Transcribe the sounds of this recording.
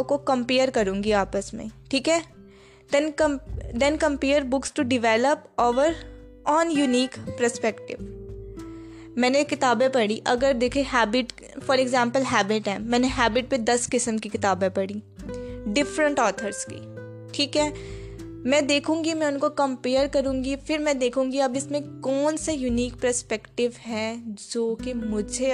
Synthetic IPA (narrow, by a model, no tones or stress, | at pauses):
kokɐ̃mpeːəɾkɐɾũːŋɡiaːpəsmḛ̃ʈʰiːkɦɛː | d̪ɛnd̪ɛ̃nkɐ̃mpeːəɾbʊksʈuɖɪʋɛːləpoːʋəɾ | ɔːnjuniːkpɾəspɛkʈɪ̰ʋ | mɛ̃ːnekɪt̪aːbẽpɐɽiʔɐɡəɾd̪eːkʰeɦɛːbɪʈ | fɔːɾeɡzãːmpəlɦɛːbɪʈɛmːɛ̃ːneɦɛːbɪʈ̚ped̪ɐskɪsəmkikɪt̪aːbẽpɐɽiː | ɖɪfɾə̃ɳʈɔːt̪ʰəɾskḭ | ʈʰiːkɦɛː | mɛ̃d̪eːkʰũːŋɡimɛ̃ʊnkokɐ̃mpeːjəɾkɐɾũːŋɡifɪɾmɛ̃d̪eːkʰũːŋɡiɐbɪsmẽkɔːnsajuniːkpɾəɾspɛkʈɪʋɦɛ̃d͡ʒoːkemʊd͡ʒʱe